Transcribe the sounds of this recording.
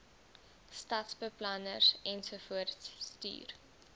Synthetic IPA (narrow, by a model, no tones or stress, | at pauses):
stɐtsbəplɐnə̰sɛnsufuərtssty̰ːr